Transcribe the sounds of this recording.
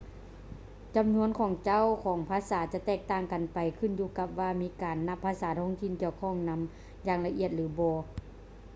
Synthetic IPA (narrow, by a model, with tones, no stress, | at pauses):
t͡ɕa˨˩mnu˧˥ənkʰɔː˨˩˦ŋt͡ɕa˦˥˨wkʰɔː˨˩˦ŋpʰaː˧˥saː˩˦t͡ɕa˧˥t̪ɛː˧˩k̚t̪aː˧˩ŋka˨npa˨jkʰɯ˧˩˨njuː˧˩ka˧p̚ʋaː˧miː˦˥kaː˨˩nːa˧˥pʰːaː˧˥saː˩˦t̪ʰɔː˧˥˨ŋt̪ʰi˧˨nki˧˩əwkʰɔː˧˩ŋna˧˥m | jaː˧˨ŋla˧ʔḭ˧˩ət̪̚lɯː˨˩˦bɔː˧